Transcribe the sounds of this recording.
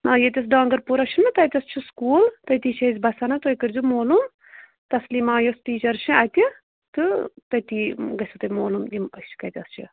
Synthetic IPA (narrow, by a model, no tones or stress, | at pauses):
maːjet̪ʲɐs̬ɖaːŋɡɐɾpuɾɐʃʰinɨt̪ɐjt̪ʲɐst͡ʃʰiskuːlt̪ɐt̪iːt͡ʃʰɐzʲbɐsɐnɐt̪oːjkɐɾʲzumoːlum | t̪ɐslimaːjosʈiːt͡ʃɐɾt͡ʃʰiaːt̪ʲi | t̪ɨt̪ɐt̪iɡɐsʰut̪ɐmoːlumiɐt͡ʃʰkɐjt̪ʲɐst͡ʃʰḭ